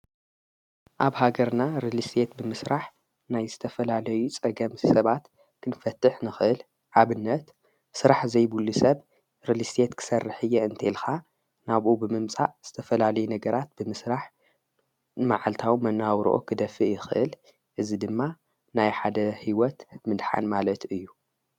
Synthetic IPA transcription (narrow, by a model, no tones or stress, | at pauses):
ʔaβhaɡɐɾnaɾɨlist̪ʰet̪̚bɨmɨsɾaħ | najzɨt̪ʰɐfɐlalɐjut͡sʼɐɡɐmsɐβat̪ | kʰɨnfɐt̪ʰːɨħnɨxɨʔɨl | ʕaβɨnːɐt̪ | sɨɾaħzɐjbulːusɐβ | ɾɨlist̪ʰet̪kʰɨ̥sɐrːɨħɨjːɛɨnt̪ʰelxa | naβʔubɨmɨmt͡sʼa̰ʔz̥ɨt̪ʰɐfɐlalɐjunɐɡɐɾat̪̚b̥ɨmɨsɾaħ | maʕalt̪ʰawmɐnːawɾʔo̰kʰɨd̪ɐfɨʔjɪxɨʔɨl | ʔɨzid̪ɨmːa | najħad̪ɐhiwɔt̪mɨd̪ħa̰nmalɐt̪ɨjːu